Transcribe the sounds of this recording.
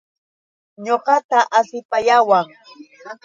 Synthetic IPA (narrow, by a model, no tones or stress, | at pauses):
ɲoqɑt̪aʔasɪpajawaŋ